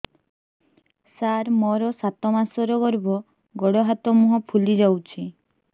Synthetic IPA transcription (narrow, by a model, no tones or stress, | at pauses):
saɾmɔɾɔsat̪ɔmasɔɾɔɡɔɾbɔ | ɡɔɽɔɦat̪ɔmuɦɔpʰulid͡ʒawt͡ʃʰi